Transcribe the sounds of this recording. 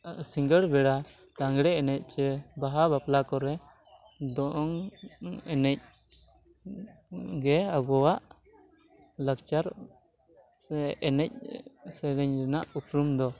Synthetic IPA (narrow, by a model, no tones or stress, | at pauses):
siŋɡəɽbɛɽa | d̪ãŋɡɽɛɛnɛc̚ˀt͡ʃɛbaɦabaplakɔɾɛ | d̪ɔʔɔŋ | ɛnɛc̚ | ɡɛabɔwaʔ | lak̚t͡ʃaɾ | ɛnɛc̚sɛɾɛɲɾɛnaʔupɾumd̪ɔ